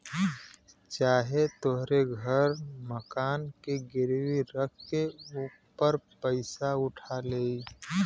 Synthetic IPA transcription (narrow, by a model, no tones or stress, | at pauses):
t͡ʃaːɦet̪oɦɾeɡʱəɾməkaːnkeɡɪɾwiɾəkʰkeuːpːəɾpəɪsaʊʈʰaleːi